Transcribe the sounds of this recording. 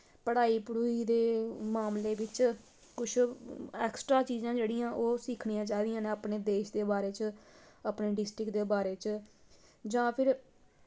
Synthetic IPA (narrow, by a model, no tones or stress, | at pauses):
pəɽaːiːpɽuːiːd̪eːmaːmleːbɪt͡ʃ | kʊt͡ʃʰɛːksʈɾaːt͡ʃiːzãːd͡ʒeːɽiːãːʔoːsiːkʰɳijãːt͡ʃaːid̪ijãːnẽːaːpneːd̪eːʃd̪eːbaːɾeːt͡ʃ | aːpneːɖɪsʈɾɪkd̪eːbaːɾeːt͡ʃ | d͡ʒãːpʰɪɾ